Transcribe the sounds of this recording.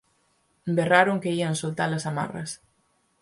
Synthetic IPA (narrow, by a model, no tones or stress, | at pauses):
mberaɾoŋkeiaŋsolt̪alɐsama̰rɐ̰s